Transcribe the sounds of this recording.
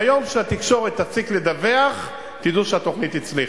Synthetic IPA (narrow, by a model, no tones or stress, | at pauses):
ajomʃeat̪ikʃoʁɛt̪at͡sikled̪aveaχ | t̪id̪uʃat̪oχnit̪it͡sli